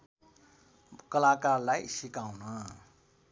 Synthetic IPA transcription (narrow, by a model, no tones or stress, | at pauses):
kʌlakarlajsikaw̃nʌ